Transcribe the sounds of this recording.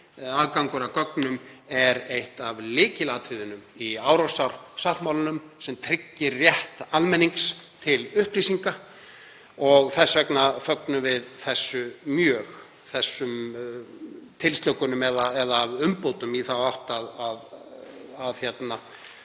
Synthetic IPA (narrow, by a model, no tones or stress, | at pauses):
aðkawŋkʏɾakœknʏmɛɾejht̪avlɪːcɪlaːt̪ʰvɪðʏnʏmiawɾasawɾsaht̪mawlʏnʏmsɛmt̪ʰɾɪcːɪɾrjɛht̪almɛnːiŋkst̪ʰɪlʏhplisiŋka | ɔɣθɛsvɛknafœknʏvɪðθɛsːʏmjœːx | θɛsːʏm | t̪ʰɪlst̪œwkʏnʏmɛðaɛðavʏmpoːwt̪ʏmiθawawht̪aðað | aðçjɛt̪na